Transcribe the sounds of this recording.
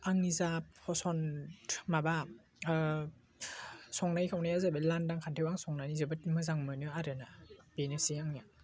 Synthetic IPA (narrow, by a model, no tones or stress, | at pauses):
aŋnizap̚hʰɔsɔnmaba | sɔŋnajkʰawnajazabɯlandaŋkʰantʰewaŋsɔŋnanizɯbɯtmɯzaŋmɯnɯaɾɯnab̥enesiaŋiaŋ